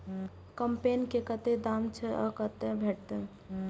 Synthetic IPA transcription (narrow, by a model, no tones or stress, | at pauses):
kəmpenkekət̪ed̪amt͡ʃʰɛʔɔkət̪ebʱeʈ̚t̪e